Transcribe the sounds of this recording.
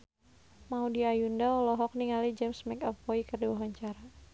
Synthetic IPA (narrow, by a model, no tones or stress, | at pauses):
maudiajundaɔlɔɦɔk̚niŋalid͡ʒɛmsmɛkap̚ːɔikərdiwaɦaɲt͡ʃaɾa